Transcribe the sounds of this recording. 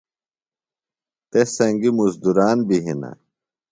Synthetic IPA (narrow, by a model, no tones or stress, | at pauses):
t̪esɐŋɡimuzd̪uɾaːnbiɦina̰